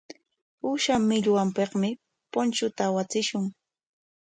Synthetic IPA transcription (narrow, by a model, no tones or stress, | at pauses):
ʊʃamɪʎwampeqmɪ | pont͡ʃʊt̪aːwat͡sɪʃʊŋ